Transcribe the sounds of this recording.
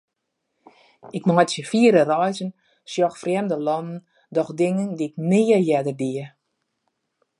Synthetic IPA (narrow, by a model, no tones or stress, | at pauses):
ɪkmɔjtsjəfiəɾərɔjzən | sjɔxfrɛmdəlɔnn̩ | dɔxdɪŋəndiɪk̚nɪːəjɛdərdiə